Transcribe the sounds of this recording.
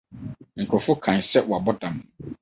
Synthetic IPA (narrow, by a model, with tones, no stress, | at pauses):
ŋ̩˨kʰʊ˨fʊ˦kʰã˨ɲ˨sɛ˦wɔ˨a˨bɔ˦dã˨mʊ̃˨